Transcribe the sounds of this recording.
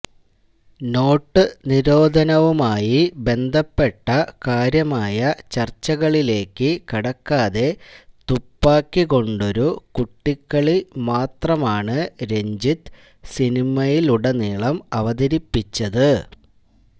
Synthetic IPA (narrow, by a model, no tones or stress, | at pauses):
no̞ːʈːɨniɾo̞ːd̪ʱɐnɐʋumaːjibe̞nd̪ʱɐpːe̞ʈːɐkaːɾjɐmaːjɐt͡ɕɐrt͡ɕːɐɣɐɭile̞ːkːɨkɐɽɐkːaːðe̞t̪upːaːkːiɣo̞ɳɖo̞ɾukuʈːikːɐɭimaːt̪rɐmaːɳɨɾe̞ɲd͡ʑit̪ | sinimɐjiluɽeniːɭɐmɐʋɐðɐɾipːit͡ɕːɐðɨ